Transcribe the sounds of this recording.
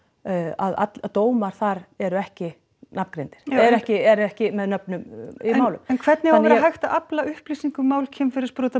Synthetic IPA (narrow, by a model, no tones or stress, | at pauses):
a̰ða̰t̪at̪oːwmaɾ̥θaɾɛɾʏɛhcɪ | napkɾejnt̪ɪ̥ɾ̥ɛɾʏɛhcɪɛɾɛhcɪmɛðnœpnʏmɪmaːwlʏmɛnkʰv̥ɛɾt̪nɪavɛɾaɦajxt̪aʔaplaʏhpliːsiŋkʏmːaːwlcʰɛmfɪɾɪɾ̥spɾoːwt̪a